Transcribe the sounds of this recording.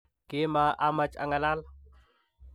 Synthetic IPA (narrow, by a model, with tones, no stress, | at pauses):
ke˦ma˨ʔa˦mat͡ʃa̰˨ŋa˨la˦la